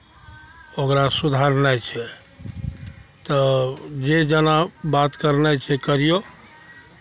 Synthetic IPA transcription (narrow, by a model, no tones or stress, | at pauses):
okɾasud̪ʱaɾnajt͡ʃʰɛ | t̪əd͡ʒed͡ʒənabat̪kəɾnajt͡ʃʰɛkəɾijo